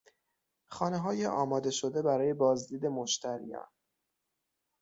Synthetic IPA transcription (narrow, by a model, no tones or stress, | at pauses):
xɒːne̞ɦɒːjeʔɒːmɒːd̪e̞ʃo̞d̪e̞bæɾɒːje̞bɒːzd̪iːd̪e̞moʃt̪ʰæɾḭjɒ̰ːn